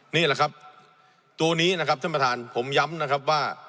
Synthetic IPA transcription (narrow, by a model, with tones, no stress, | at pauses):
niː˥˩la˨˩kʰa˦˥p̚ | t̪u˧ɐniː˦˥na˦˥kʰa˦p̚t̪ʰa˥˩pa˧t̪ʰaː˨˧npʰo˩˦mja˦˥mna˦˥kʰa˦˥p̬̚waː˥˩